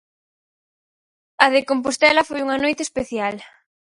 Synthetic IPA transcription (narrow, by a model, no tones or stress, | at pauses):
ɐðekompost̪ɛlɐfojuŋɐnojt̪espeθjal